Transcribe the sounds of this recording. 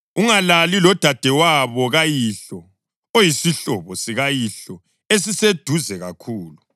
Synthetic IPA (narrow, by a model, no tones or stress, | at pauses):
uŋalalilɔd̥ʱad̥ʱɛwaβɔɣajiɬɔ | ojisiɬɔβɔsiɣajiɬɔ | es̬ised̥ʱuzɛɣa̰kʰuːlu